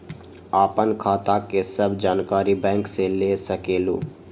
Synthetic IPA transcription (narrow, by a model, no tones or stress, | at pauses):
aːpənkʰaːt̪akesəbd͡ʒaːnkaːɾibɛ̃ːŋkselesəkeːlṵː